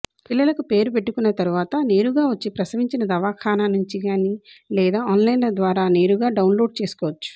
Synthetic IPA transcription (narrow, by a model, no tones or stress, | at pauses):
pilːɐlɐkupe̞ːɾupeʈːukunːɐt̪ɐɾuʋaːt̪ɐne̞ːɾuɡaːʋɐt͡ʃːipɾɐsɐʋiɲt͡ʃinɐd̪ɐʋaːkʰaːnaːnuɲt͡ʃiɡaːnilɛːd̪aːɔnlɐjnlɐd̪ʋaːɾaːne̞ːɾuɡaːɖɐwnlo̞ːɖ̚t͡ʃe̞ːsu̥kɔːʋɐt͡ʃːu̥